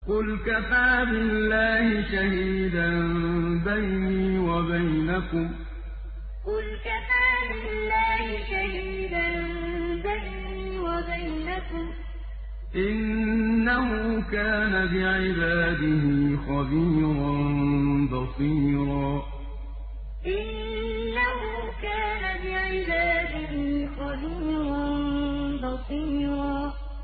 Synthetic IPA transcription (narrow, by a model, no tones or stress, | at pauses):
qʊlkafaːbɪlːaːhɪʃahiːd̪anbajniːwabajnakʊm | qʊlkafaːbɪlːaːhɪʃahiːd̪an | bajniiːwabajnakʊm | ʔɪnːahʊkaːnabɪʕɪbaːd̪ɪhɪxɑbiːɾɑnnbɑsˤiːɾˤɑː | ʔɪnː | ahʊkaːnabɪʕɪbaːd̪ɪɦiːxɑbiːɾanbɑsˤiːɾɑː